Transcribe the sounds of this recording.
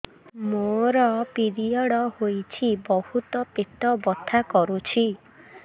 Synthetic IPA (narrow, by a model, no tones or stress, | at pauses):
moɾɔpiɾiɔɽɔhojt͡ʃʰibɔhut̪ɔpet̪ɔbɔt̪ʰakɔɾut͡ʃʰi